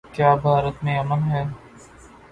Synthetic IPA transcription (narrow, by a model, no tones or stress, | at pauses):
kjaːbʱaːɾət̪mẽɐmənɦɛː